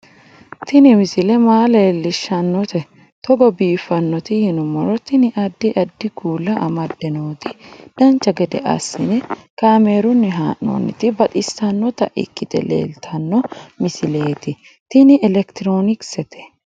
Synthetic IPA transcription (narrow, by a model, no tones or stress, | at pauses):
t̪ɪnɪmɪsɪlɛmaːleːlːɪʃːɐnːɔt̪ɛ | t̪ɔɡɔbiːfːɐnːɔt̪ɪhɪnʊmɔɾɔt̪ɪnɪʔɐd̪ːɪʔɐd̪ːɪɡuːlːɐʔɐmɐd̪ːɛno̞ːt̪ɪd̪̥ɐnt͡ʃːɐɡɛd̪ɛ̰ʔɐ̰sːɪnɛkaːmeːɾʊnːɛɦaːnːo̰ːnːɪ̰t̪ɪbɐt̪ʼɪsːɐnːɔt̪ɐ̰ʔɪ̰kːɪt̪ɛ̰lḛːlt̪ʰɐnːɔmɪsɪle̞ːt̪ɪ | t̪ɪnɪʔɛlɛkt̪ɪɾo̞ːnɪksɛt̪ʰɛ̥